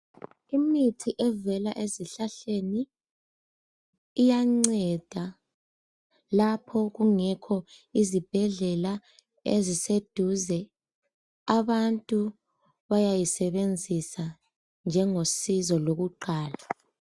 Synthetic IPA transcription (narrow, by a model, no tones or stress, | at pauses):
imitʰiʔɛvɛlaʔeziɬaɬeni | jaŋ͡ǀɛd̥ʱa | lapʰɔɣuŋɛkʰɔizib̥ʱɛɮɛla | ḛzised̥ʱuzɛ | aβantʼu | βajajisɛβend͡zʱisa | nd͡ʒʱɛŋosizɔloɣuǃaːla